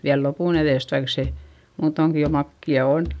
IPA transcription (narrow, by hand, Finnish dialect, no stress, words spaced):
ʋiæl lopuˑn eðeˑst ʋɑik se muːtoŋki jo mɑkːiɑ on